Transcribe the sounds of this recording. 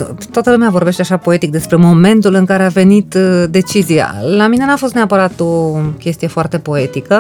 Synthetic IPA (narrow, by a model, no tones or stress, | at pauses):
t̪oat̪əlumeavo̞rbe̞ʃt̪e̞aʃapo̞e̞t̪ik̚d̪e̞spɾe̞mo̞me̞nt̪ulɨŋkaɾe̞ave̞nit̪d̪e̞t͡ʃizija̰lamine̞nafo̞st̪neapəɾat̪o̞kʲe̞st̪ije̞foart̪e̞po̞e̞t̪ikə